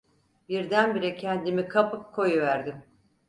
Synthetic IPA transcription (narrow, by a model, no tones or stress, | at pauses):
biɾd̪ænbiɾɛcʰɛnd̪imikʰapɯkkʰo̞juvæɾd̪im